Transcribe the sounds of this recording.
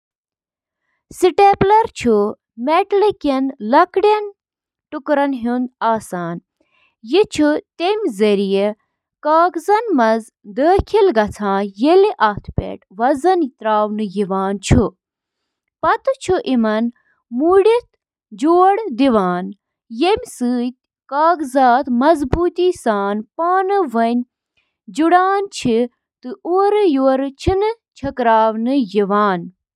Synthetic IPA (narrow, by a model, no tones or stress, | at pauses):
siʈeːplɐɾt͡ʃʰu | meʈlikɐnlɐkɽʲɐn | ʈukɾɐnɦund̪aːsaːn | jit͡ʃʰut̪emʲzɐɾije | kaːkzɐnmɐz | d̪əːkʰilɡɐt͡sʰãːjeliʔaːt̪ʰpḛːʈʋɐzɐnt̪ɾaːʋnɨjiʋaːnt͡ʃʰu | pɐt̪ɨt͡ʃʰuʔimɐn | muɽit̪ | d͡ʒoːɽd̪iʋaːn | jemʲsɨːt̪̚ʲ | kaːɡzaːt̪mɐzbuːt̪iːsaːnpaːnɨʋɐnʲ | d͡ʒuɽaːnt͡ʃʰi | t̪ɨoːɾɨjoːɾɨt͡ʃʰinɨt͡ʃʰɐkɾaːʋnɨjiʋaːn